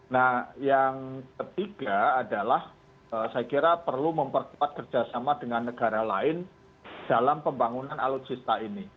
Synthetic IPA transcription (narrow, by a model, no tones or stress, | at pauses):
nahjaŋkət̪iɡ̥aːdalah | əsajakiɾapərluməmpərkuat̪̚kərd͡ʒ̥asamad̥əŋanːəɡ̥aɾalaɪn | d̥alampəmbaŋunanalʊt̪̚t͡ʃist̪aini